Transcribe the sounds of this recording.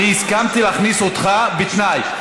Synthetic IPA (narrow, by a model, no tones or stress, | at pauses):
iiskamt̪ileaχnisot̪χabet̪naj